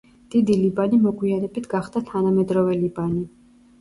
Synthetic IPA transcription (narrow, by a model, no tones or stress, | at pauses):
d̪̥id̪ilibanimɔɡwianɛbit̪ʰɡaχd̪at̪ʰanamɛd̪ɾɔvɛlibani